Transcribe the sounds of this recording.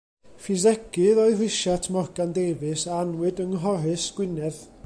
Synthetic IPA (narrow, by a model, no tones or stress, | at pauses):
fizɛɡ̥ɨðɔɨrɪʃatʰmɔrɡandejvɨsaanwɨdəŋɦɔɾɨsɡ̥wɪnɛð